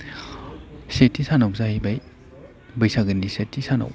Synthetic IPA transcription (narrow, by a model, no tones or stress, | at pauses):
setʰːisanawzahibaj | bɐjsaɡɯnːisetʰːisana̰w